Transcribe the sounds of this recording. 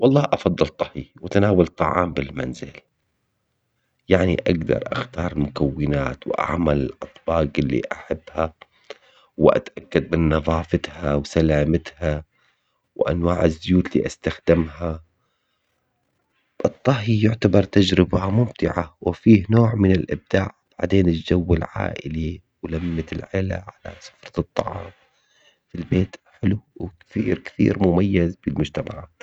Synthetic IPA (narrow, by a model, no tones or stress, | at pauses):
wɑlˤːɑːhʔɑfɑd̪ˤːɑlt̪ˤːɑhiwɪt̪anaːwalt̪ˤːɑʕɑ̰ːmbɪlma̰nzɪl | jaʕnḭʔaɡd̪ɑ̰ɾˤʔa̰xt̪ɑːɾˤɪlmʊkawːɪnaːt̪wʔa̰ʕmalɪlʔɑt̪ˤbɑːɡɪlːḭʔaħabːha | wʔa̰t̪ʔakːad̪̚mɪnːɑðˤɑːfɪt̪hawsalaːmɪt̪ha | wʔa̰nwaːʕɪzːʊjuːt̪lḭːʔast̪axd̪̥ɪmha | ʔɨt̪ˤːɑɦijʊʕt̪abɑɾˤt̪ad͡ʒɾɪbaamʊmt̪ɪʕawɪfiːhnoːʕmɪnɪlʔɪb̚d̪̥aːʕb̥aʕd̪eːnɪld͡ʒawːɪlʕa̰ːʔɪ̰li | wlamːɪt̪ɪlʕɪla̰ʕala̰sʊ̥fɾˤɑt̪ˤːɑ̰ʕɑ̰ːm | filbeːt̪ħɪluwkθiːɾkθḭːɾmʊmajːazbɪlmʊd͡ʒt̪ama̰ʕ